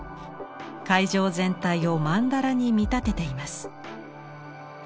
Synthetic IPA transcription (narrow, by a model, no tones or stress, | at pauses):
kaiʑo̞ːzẽ̞nt̪aio̞mãnd̪aɾaɲ̟imʲit̪at̪e̞t̪e̞imasɨ̥